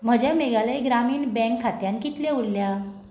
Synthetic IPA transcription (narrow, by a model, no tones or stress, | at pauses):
m̤əd͡ʑameɡaləiɡɾamiːnbɛ̃ŋkʰːat̪jankit̪leullja